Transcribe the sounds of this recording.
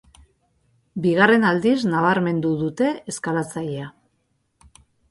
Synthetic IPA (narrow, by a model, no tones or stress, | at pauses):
biɣ̞are̞nald̪iznaβ̞aɾme̞nd̪uðut̪e̞eskalat͡sajea